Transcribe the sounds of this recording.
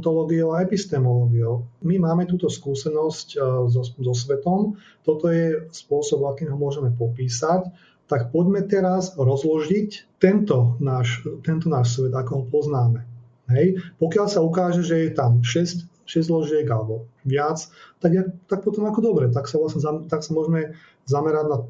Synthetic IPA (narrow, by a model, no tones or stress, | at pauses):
t̪ɔlɔːɡioʊaɛpist̪ɛmɔlɔːɡiumimaːmɛt̪uːt̪ɔskuːsɛnɔsczzɔs̬ʋɛt̪ɔm | t̪ɔt̪ɔjɛspʊɔsɔbakiːmɦɔmʊɔʒɛmɛpɔpiːsac | t̪akpɔɟmɛt̪ɛɾazɾɔzlɔʒict̪ɛnt̪ɔnaːʃt̪ɛnt̪ɔnaːʃsʋɛd̪akɔɦɔpɔznaːmɛ | ɦɛjpɔkɪalsaukaːʒɛʒɛjɛt̪amʃɛsc | ʃɛzlɔʒɪɛɡalɛbɔʋɪat͡st̪aɡjɛt̪ak̚pɔt̪ɔmakɔd̪ɔbɾɛt̪aksaʋlasɲɛzat̪aksamʊɔʒɛmɛ | zamɛɾaɟna